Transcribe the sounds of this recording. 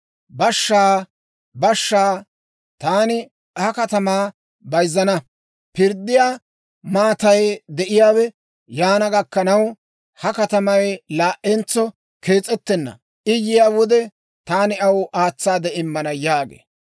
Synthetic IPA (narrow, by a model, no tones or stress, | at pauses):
bɐʃːaː | bɐʃːaː | t̪aːnɪ | hɐkɐt̪ɐmaː | bɐjzːɐnɐ | pɪɾd̪ːɪjaː | maːt̪ɐjd̪ɛʔɪjaːwɛ | jaːnɐɡɐkːɐnɐw | hɐkɐt̪ɐmɐjlaːʔɛnt͡sːɔ | kʰeːt͡sʼːɛt̪ːɛnːɐ̰ | ʔɪjːɪjaːwɔd̪ɛ | t̪aːnɪɐwʔaːt͡sːaːd̪ɛɪmːɐnɐjaːɡḛː